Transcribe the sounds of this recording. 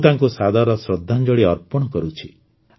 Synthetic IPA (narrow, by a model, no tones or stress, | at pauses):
t̪aŋkusad̪ʱaɾɔsɾɔd̪ʱːand͡ʒɔɽiɔɾpɔɽ̃ɔkɔɾut͡ʃʰi